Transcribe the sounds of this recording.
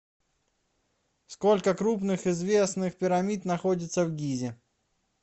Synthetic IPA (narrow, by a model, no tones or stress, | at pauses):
sko̞lʲkəkɾup̬nɨxɪzvʲe̞snɨxpʲɪɾɐmʲit̪nɐxodʲɪt̪səvɡʲizʲɪ